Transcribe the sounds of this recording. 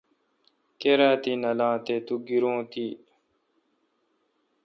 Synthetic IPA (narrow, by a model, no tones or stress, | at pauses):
keɾaːt̪inɐlãːt̪eːt̪uɡiɾõːt̪iː